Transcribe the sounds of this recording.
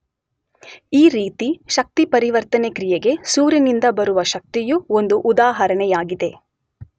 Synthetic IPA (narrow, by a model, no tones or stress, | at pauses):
iːɾiːt̪iʃɐk̚t̪ipɐɾiʋɐɾt̪ɐnekɾijeɡe̞suːɾɐnind̪ɐbɐɾuʋɐʃɐk̚t̪ijuo̞nd̪uʔud̪aːɦɐɾɐɳɛjaːɡid̪e̞